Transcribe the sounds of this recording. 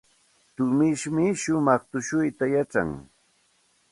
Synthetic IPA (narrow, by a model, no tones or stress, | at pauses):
t̪ʊmɪʃmɪʃʊmɑχt̪ʊʃʊjt̪ajaʈ͡ʂa̰ŋ